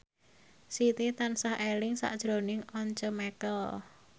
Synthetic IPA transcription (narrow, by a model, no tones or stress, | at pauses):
sit̪it̪ansahelɪŋsa̰ʔd̥ʒ̥ɾonɪŋɔɲt͡ʃɔmɛkəl